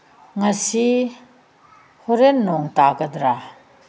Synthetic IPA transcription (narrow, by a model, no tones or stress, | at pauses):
ŋasi | hɔɾenːɔŋtakɐd̪ɾa